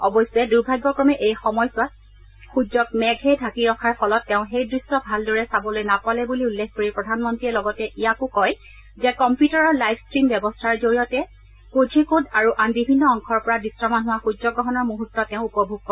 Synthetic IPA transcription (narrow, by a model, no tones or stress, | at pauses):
ɔbɔjsɛduɹbʱaɡːɔkɹɔmɛʔejxɔmɔjsʊat̚ | xud͡ʒɔk̚mɛɡʱɛdʱakiɹɔkʰaɹpʰɔlɔtːɛʊ̃xejdɹistɔbʱaldɔɹɛsabɔlojnakwalɛbuliulːekʰkoɹipɹɔdʱanmɔntɹiɛlɔɡɔtɛʔijakʊkɔj | zɛkɔmpjutaɹɔɹlajbskɹimbjɛbɔstʰaɹzoɹijɔtɛ | kud͡ʒʱikudaɹuʔambibʱinːɔɔŋkʰɔɹpɔɹadisɹɔmanɦʊwaxud͡ʒzɔɡɹɔɦɔnɔɹmoɦutːɔtːɛʊ̃upɔbʱuɡ̚kɔ